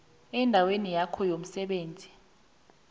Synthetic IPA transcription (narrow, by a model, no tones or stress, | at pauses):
ɛndʱawenijakʰɔjom̩sɛɓeːnd͡zʱi